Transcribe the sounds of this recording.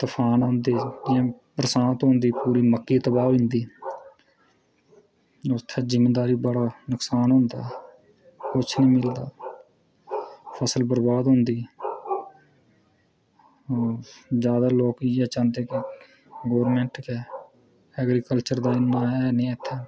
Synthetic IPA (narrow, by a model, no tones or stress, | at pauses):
t̪əpʰaːnõːnd̪eːd͡ʒãːpɾəsãːnt̪ɦõnd̪iːpuːɾiːməkːiːt̪əbaːɪ̃nd̪iː | ʊt̪ʰːɛːzɪmːeːd̪aːɾiːbəɽaːnʊksaːnɦʊ̃nd̪a̰ː | kʊt͡ʃʰnĩːmɪld̪aː | pʰəsəlbəɾbaːd̪ɦʊ̃nd̪iː | zjaːd̪aːloːkiːɛːt͡ʃãːnd̪eːkɪ | ɡoːɾmɛ̃ːɳʈkɛː | ɛːɡɾiːkəlt͡ʃəɾd̪aːɪnːãːɛːnẽːət̪ʰːɛː